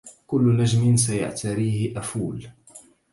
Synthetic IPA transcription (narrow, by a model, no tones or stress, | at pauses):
kʊlːnad͡ʒmɪns̬aja̰ʕt̪aɾiːhɪʔafuːl